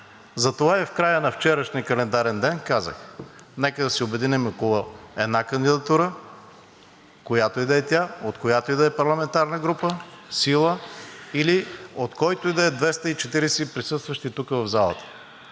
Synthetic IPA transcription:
zɐt̪ovaɛfkɾajənɐft͡ʃɛɾəʃniəkɐlɛnd̪aɾɛnd̪ɛnkazə̰xnɛkəd̪ɐsɛobɛd̪inɛmɐkooɛd̪nakɐnd̪id̪ɐt̪uɾə | kojat̪oid̪ɛːt̪ʲaot̪kojat̪oid̪ɛːpɐɾlˠɐmɛnt̪aɾnəɡɾupəsilˠəiliot̪kɔjt̪oid̪ɛɛd̪vɛst̪əit͡ʃɛt̪iɾɛsɛipɾisɤst̪vəʃt̪it̪ukəvɐvzalˠə̰t̪ə̥

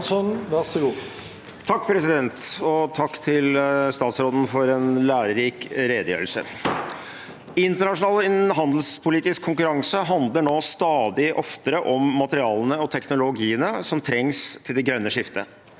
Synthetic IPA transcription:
sɔnʋɑsəluː | t̪ʰɑkːpʰɾɛsɪd̪ɛnt̪ɔt̪ʰɑkːt̪ʰɪlst̪ɑːt̪sɾoːd̪n̩fɔɾɛnlæːɾəɾiːkɾeːd̪əjø̰ːɾəlsə̰ | ɪnt̪əɳɑʂʊnɑːlɦɑnd̪l̩spʰʊliːt̪ɪskʰːʊŋkʉɾɑŋsəɦɑnd̪ləɳoːst̪ɑːd̪ɪʔɔft̪əɾəʔɔmːɑt̪əɾɪɑːlənəɔt̪ʰɛknʊlʊɡiːənəsɔmt̪ʰɾɛŋst̪ʰɪld̪ɛɡɾœnːəʂɪft̪ʰə

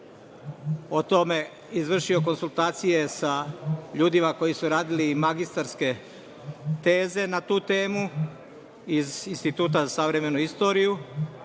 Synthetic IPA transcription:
ot̪o̞me̞ | izʋr̩ʃio̞ko̞nsulˠt̪aːt̪sije̞saʎuːd̪imako̞jisuɾaːd̪ilimaɡist̪aɾske̞ | t̪e̞ːze̞nat̪uːt̪e̞ːmu | izinst̪it̪uːt̪azasaʋɾe̞me̞nuist̪o̞ɾiju

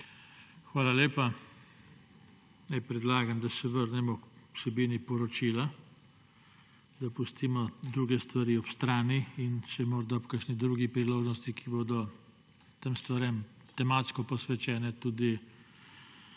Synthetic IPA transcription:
xʋaːlaleːpa | nɛɪpɾɛd̪laːɡamd̪asɛʋəɾnɛmɔkwsɛbiːnipɔɾɔt͡ʃiːla | d̪apust̪iːmɔd̪ɾuːɡɛst̪ʋaɾiɔpst̪ɾaːniinʃɛmɔːɾd̪aupkəʃnid̪ɾuɡipɾiloːʒnɔst̪ikʰiboːd̪ɔ | t̪emst̪ʋaɾem | t̪ɛmat̪skɔpɔsʋɛt͡ʃɛːnɛt̪uːd̪i

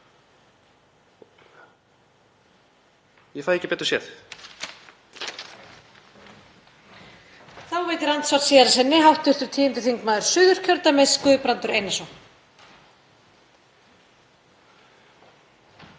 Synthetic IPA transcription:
jɛfajðɛhcɪpɛːt̪ɔ̥sjɛð | θawveːjt̪ɪɾant̪svaw̥t̪siːðaɾasɛnːɪɦawht̪ʏr̥t̪ʏ̥t̪ʰiːɪnt̪ʏθiŋkmaːðʏɾ̥sʏːðʏɾ̥cʰœɾt̪amɛskʏðpɾant̪ʏɾeːjnɛsɔ

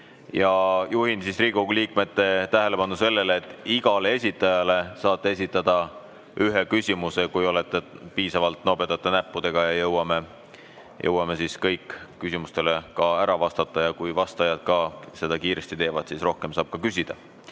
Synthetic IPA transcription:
jɑjuɦinsisriːɡ̥uliːkme̞t̪ːˑe̞t̪æɦelepɑnuse̞lːe̞leːt̪ːˑiɡ̥ɑleesʲit̪ːˑɑjɑle̞sɑːt̪ːˑe̞es̬ʲit̪ːˑɑd̪̥ɑ | yɦekysʲimuse̞kujo̞let̪ˑːepiːsɑvɑlt̪ːno̞bet̪ːˑɑt̪ːˑenæpːud̪̥e̞ɡ̥ɑjɑjɤwɑme | jʔɤ̰wːɑme̞siskɤjkːysimust̪e̞lekɑæɾɑvɑst̪ɑt̪ˑːɑjɑkujvɑst̪ɑjɑd̪̥̚kɑse̞d̪̥ɑkiːɾe̞st̪it̪e̞ːvɑd̪̥sisro̞hke̞msɑːb̥̚kɑkysʲid̪̥ɑ

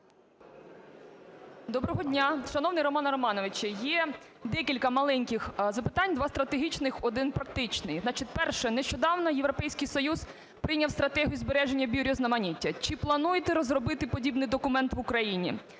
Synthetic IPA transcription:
d̪ɔbɾɔɦɔdʲnʲaʃɐnɔwnɪjɾɔmɑnɾɔmɑnɔʋɪt͡ʃɐjɛ | d̪ɛkʲilʲkɐmɐlˠɛnʲkʲɪxzɐpɪ̥t̪ɑnʲd̪ʋɑst̪ɾɐt̪eɦʲit͡ʃnɪxɔd̪ɪnpɾɐk̚t̪ɪt͡ʃnɪjznɑt͡ʃɪt̪ʲpɛrʃɛneʃt͡ʃɔd̪ɑwnɔjeʋɾɔpɛjsʲkɪjsɔjuz | pɾɪnʲɐwst̪ɾɐt̪ɛɦʲijʊzbeɾɛʒenʲːɐbʲiɾʲɔznɐmɐnʲitʲːɐt͡ʃɪplˠɐnujet̪ɛɾɔzɾɔbɪt̪ɪpɔdʲibnɪjd̪ɔkʊmɛnt̪ʋʊkɾɐjinʲḭ

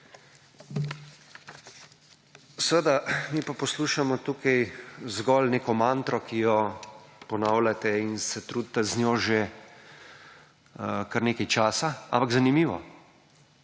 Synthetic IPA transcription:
sʋəd̪amipapɔsluːʃamɔt̪uːkɛjzɡɔlneːkɔmant̪ɾɔkijɔpɔnaːwlat̪ɛinsɛt̪ɾuːd̪t̪ːɛznjoːʒe | kaɾneːkɛjt͡ʃaːsaa̰mpaɡzanimiːʋɔ̰

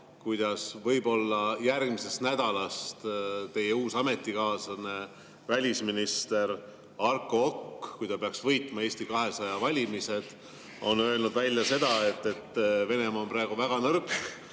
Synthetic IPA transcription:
kujd̪ɑsvɤjbo̞lːɑjærɡ̥mise̞st̪næd̪ɑlɑst̪t̪e̞jeuːsɑme̞t̪ːˑikɑːsɑne | vælʲisminist̪e̞ɾ | ɑrkˑookːkujt̪ɑpe̞ɑksvɤjt̪ˑmɑe̞ːsʲt̪ikɑɦe̞sɑjɑvɑlʲimise̞d̪̥ | o̞nøe̞lnud̪vælʲjɑse̞d̪ɑe̞t̪ːˑe̞t̪ːve̞ne̞mɑonprɑeɡ̥uvæɡ̥ɑnɤrk

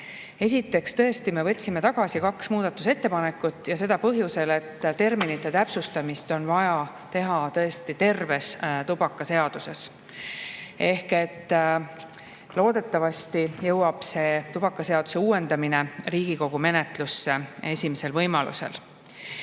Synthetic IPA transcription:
e̞sʲit̪ːˑe̞kst̪ɤ̞e̞st̪ime̞vɤ̞t̪ʲːsime̞t̪ɑɡ̥ɑsikɑksmuːd̪̥ɑt̪ːˑuse̞t̪ːe̞pɑne̞kːˑut̪ːˑjɑse̞d̪̥ɑpɤɦjuse̞le̞t̪ːt̪e̞rminit̪ːˑe̞t̪æpsust̪ɑmist̪o̞nvɑjɑ | t̪e̞ɦɑt̪ɤ̞e̞st̪it̪e̞rve̞st̪ub̥ɑkːˑɑse̞ɑd̪̥use̞̰s | e̞hke̞t̪ː | lo̞ːd̪̥e̞t̪ːˑɑvɑst̪ijɤwɑb̥se̞ːt̪ub̥ɑkˑːɑse̞ɑd̪u̥se̞uːwe̞nd̪ɑmine̞riːɡ̥iko̞ɡ̥ume̞ne̞t̪lusːe̞e̞sʲimese̞lvɤjmɑlṵsḛl

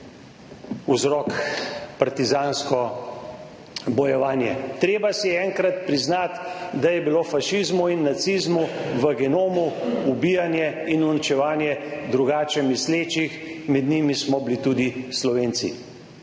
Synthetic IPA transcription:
uzɾɔkpaɾt̪izaːnskɔ | bɔjɛʋaːnjɛt̪ɾeːbasijɛɛŋkɾat̪pɾiznat̪d̪ajɛbiloːfaʃizmuinːat̪sizmuʋəɡɛnoːmuubijanjɛinunit͡ʃɛʋaːnjɛd̪ɾuɡaːt͡ʃɛmisleːt͡ʃixmɛd̪nimismɔblit̪ud̪islɔʋeːnt̪sḭ

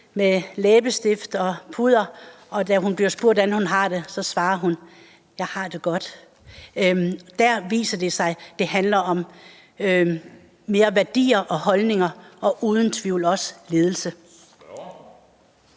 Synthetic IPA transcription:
melɛːb̥əsd̥e̝fd̥ɒ̽pʰuð̞ˠɐ | ɒ̽d̥æɦunb̥liɐsb̥o̝ɐ̰d̥ænhunɦɑ̈ːd̥e̝sɒ̽sʋɑ̈ːɐɦun | jɑ̈ɪhɑ̈ːd̥e̝ɡ̥ɒ̽d̥ | d̥æɐʋḭːsɐd̥e̝sɑ̈ɪd̥e̝ɦænlɐʔɒ̽m | me̝ːɐʋæɐd̥ḭːɐʔɒ̽hɒ̽lne̝ŋɐɒ̽ʔuːð̞ˠn̩t͡sʰʋiʊ̰lɒ̽sle̝ːð̞ˠl̩sə

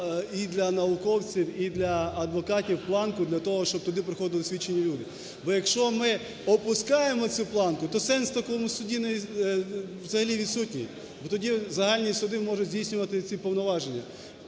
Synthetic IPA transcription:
id̪lʲɐnɐʊkɔwt͡sʲiwid̪lʲɐɐd̪ʋɔkɑtʲiwplˠɑnkʊd̪lʲɐt̪ɔɦɔʃt͡ʃɔb̚t̪ɔd̪ɪpɾɪxɔd̪ɪlˠɪsʲʋʲit͡ʃːenʲːilʲud̪ɪ | bɔjɐkʃt͡ʃɔmɪ | ɔpʊskɑjemɔt͡sʲuplˠɑnkʊt̪ɔsɛnst̪ɐkɔmʊsʊdʲinɛ | ʋzɐɦɐlʲiʋʲid̪sutʲnʲḭj | bɔt̪ɔdʲizɐɦɑlʲnʲisʊd̪ɪmɔʒʊzʲdʲijsʲnʲʊʋɐt̪ɪt͡sʲipɔwnɔʋɑʒenʲːɐ

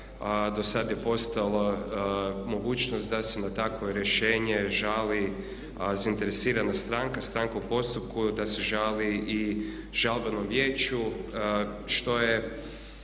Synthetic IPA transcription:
d̪osad̪je̞po̞st̪alˠo | mo̞ɡuːt͡ʃnost̪d̪asenat̪akʋoɾjeʃeːɲeʒali | zaint̪e̞ɾesiːɾanast̪ɾaŋkast̪ɾaŋkaupo̞st̪up̚kud̪aseʒalii | ʒalˠbanomʋjeːt͡ʃu | ʃt̪o̞je

